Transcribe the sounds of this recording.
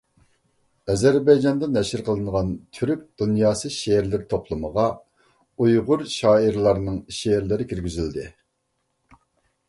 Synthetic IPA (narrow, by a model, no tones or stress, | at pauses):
ɛzæɾbɑjd͡ʒɑnd̪ɨnɛʃɪɾqʰəlˠɨnʁɑnt̪ʰyɾyk̚ʲd̪̥unjɑːsɨʃeɾlɪɾt̪ʰopʰlˠɨməʁɑ | ujʁʊɾʃɑːiɾlˠɑɾnɨŋʃeɾlɪɾɪkʲʰiɾɡʲyzyld̪ɪ